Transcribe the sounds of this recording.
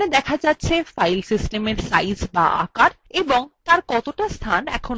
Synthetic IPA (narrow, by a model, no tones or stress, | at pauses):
ed̪ɛkʰad͡ʑatːɕʰefajlsisʈemeɾsajsba̰ʔa̰kaɾeboŋt̪aɾkɔt̪oʈast̪ʰanɛ̰kʰon